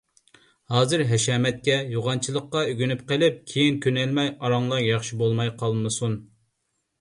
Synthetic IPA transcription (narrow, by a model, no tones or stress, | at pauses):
hɑːzɨɾɦɛʃɑːmɛt̪̚kʲɛjoʁɑnt͡ʃʰilˠəqːɑyɡʲynypqəlɪp̚kʲʰejinkʲʰønɛlmɛjɑɾɑŋlˠɑɾjɑχʃibolˠmɑjqʰɑlˠmɨsun